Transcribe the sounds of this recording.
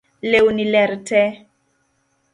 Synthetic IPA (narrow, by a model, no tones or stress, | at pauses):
leunilɛɾtʰɛ